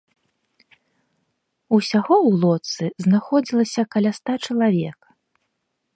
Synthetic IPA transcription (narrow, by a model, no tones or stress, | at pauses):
usʲaɣɔwlˠɔt̪sɨznaxɔd͡zʲilˠɐsʲɐkɐlʲast̪at͡ʂɐlˠavʲɛk